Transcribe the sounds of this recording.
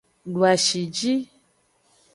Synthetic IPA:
ɖu˨a˨ʃi˨d͡ʒi˦

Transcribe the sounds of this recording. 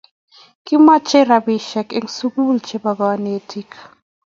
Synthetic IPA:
ki˦ma˦t͡ʃe˦ɾabi˨ʃɛke˦ŋsuku˦lt͡ʃeba˨ba˨ne˨tʰik

